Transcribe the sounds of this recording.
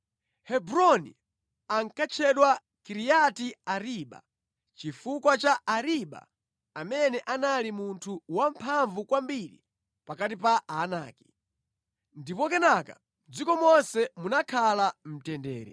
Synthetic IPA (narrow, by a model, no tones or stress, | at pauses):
hɛbɾɔnḭ | aŋkat͡ʃʰɛɗwa | kiɾijatiaɾiɓa̰ | t͡ʃifukwat͡ʃaaɾiɓa̰ | amɛnɛʔanalimuntʰuwam̩pʰaɱvukwambiɾḭ | pakatipaːnaːki̥ | ndipɔkɛnaka | m̩d͡zikɔmɔnsɛmunakʰalam̩tɛndɛ̰ːɾɛ̰